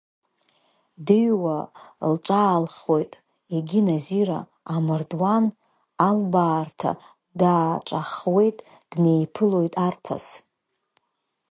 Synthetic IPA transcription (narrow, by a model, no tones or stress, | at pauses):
dɨɥwalʈ͡ʂʼaːlχo̞jtʼ | eɡʲinaziɾa̰ː | mɨrdwan | albaːrtʰa̰ | daːʈ͡ʂʼaχwe̞jtʼ | d̥ne̞jpʰɨlo̞jtʼarpʰa̰s